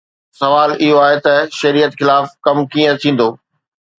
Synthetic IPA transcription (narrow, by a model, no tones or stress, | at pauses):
sɐʋaːlɪɦoaːɦet̪ɐʃɐɾijət̪xɪlaːfkɐmkĩːə̃t̪ʰĩːn̆d̪oː